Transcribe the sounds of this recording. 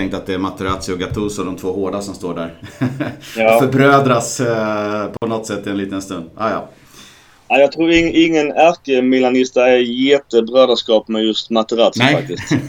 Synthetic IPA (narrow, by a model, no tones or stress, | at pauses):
ɛŋk̚t̪at̪̚d̪ɛːɾmat̪ʰəɾat̪sɪɔɡat̪ʰuːsɔɖ̪ɔmt̪ʰvoːhoːɖasɔmst̪oːɖæɾ | ɑːfœɾbɾøːd̪ɾas | pʰɔnɔt̪sɛt̪ːɪɛnliːt̪ənst̪ɵnd̪ɑ̰ːjɑ̰ː | aɪjɑːɡ̚t̪ʰɾuːɾɪɪŋːənæɾkəmɛlanɪst̪aɛjeːt̪əbɾøːd̪əʂkɑːpmɛjɵst̪mat̪əɾaːt̪sɪak̚t̪ɪst̪